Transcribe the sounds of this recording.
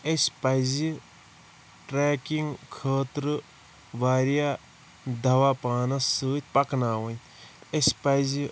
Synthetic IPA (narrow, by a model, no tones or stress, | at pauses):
esʲpɐjzi | ʈɾeːkiŋɡkʰəːt̪ɾɨ | ʋaːɾijaː | d̪ɐʋapaːnɐsɨːt̪̚ʲpɐknaːʋɐn | espɐjzi